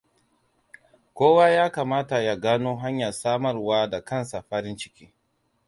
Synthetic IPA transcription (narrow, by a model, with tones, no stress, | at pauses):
kʷoː˦waː˦jaː˦kaː˨maː˦ta˨ja˦ɡaː˦noː˦ɦa˦ɲjɐ˨rsaː˦mɐ˦rwaː˦da˨kɐ˦˨nsa˨ɸa˦ɾɪ˦nt͡ʃɪ̥˦kʲiː˦